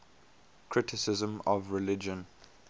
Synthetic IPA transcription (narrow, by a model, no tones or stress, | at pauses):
kʰɹ̥ɪtʰɪsɪzə̃mɔvɹɪlɪd͡ʒə̃n